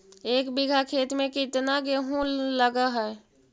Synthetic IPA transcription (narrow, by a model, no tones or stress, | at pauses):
eːkbiɡʱakʰeːt̪mẽkɪt̪naɡeɦũləɡaɦɛː